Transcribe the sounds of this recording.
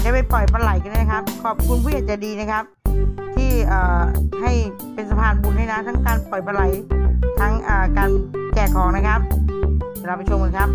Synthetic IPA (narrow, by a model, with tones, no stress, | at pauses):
ja˨˩pa˧jpɔ˨˩jpa˧la˨˩˦jka˧ndaː˥˩n˦˥kʰa˦˥p̚kʰɔː˨˩p̚kʰu˧npʰuː˥˩jaː˨˩t͡ɕa˨˩diː˧na˦˥kʰa˦˥p̚t̪ʰiː˥˩ʔaː˨˩ha˥˩j | pe˧nsa˧pʰaː˧˩nbu˨˧˩nha˥˩na˦˥t̪ʰa˦˥ŋkaː˧npɔ˨˩jpa˧la˨˩˦jt̪ʰa˦˥ŋʔaː˨˩kaː˧nt͡ɕɛː˨˩kʰɔː˩˦ŋna˦˥kʰa˦˥p̚ | ɾa˦˥p̚ʰːa˧˩t͡ɕʰo˧mko˧kʰa˦˥p̚